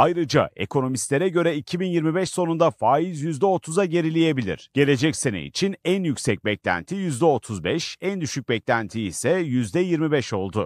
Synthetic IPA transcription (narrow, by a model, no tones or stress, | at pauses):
ajɾɯd͡ʒa̰e̞̰kʰo̞no̞mist̪lʲe̞ɾɛɟø̞ɾɛicʰibinjiɾmibɛʃso̞nund̪afaːizjyzd̪ɛo̞t̪ʰuzaɟe̞ɾilʲeje̞bilʲḭɾ̥ɟ̥e̞lʲe̞d͡ʒɛcse̞nḛḭt͡ʃʰinænjycsɛc̚bɛclʲæ̰nt̪ʰijyzd̪ɛo̞t̪ʰuzbɛʃænd̪yʃyc̚bɛclʲænt̪ʰiisɛjyzd̪ɛjiɾmibɛʃo̞lˠd̪ʊ